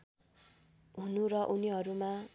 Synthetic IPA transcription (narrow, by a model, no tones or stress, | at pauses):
ɦunurʌʔuniɦʌɾuma